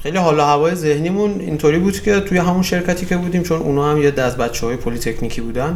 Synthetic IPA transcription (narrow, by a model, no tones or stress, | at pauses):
xe̞jliɦɒːlɒːhævɒːjeze̞hniːmunḭnt̪ʰoɾiːbuːd̪̥cʲʰe̞t̪ʰujeɦæmunʃe̞ɾcʰæt̪ʰiːcʰe̞buːd̪iːmt͡ʃʰo̞nṵnɒːhæmjed̪æzbæt̪t͡ʃʰɛɒːjepʰoliːt̪ʰe̞cʰniːcʰiːbuːd̪æn